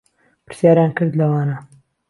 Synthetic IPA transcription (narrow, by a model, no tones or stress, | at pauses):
pɨ̥ɾsjaːɾjaːnkɨɾd̪lɐwaːnɐ